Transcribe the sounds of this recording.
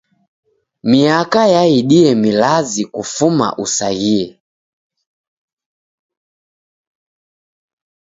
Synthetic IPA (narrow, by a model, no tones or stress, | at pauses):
miakajaiɗiɛmilazikufuma̰ʔusaɣiɛ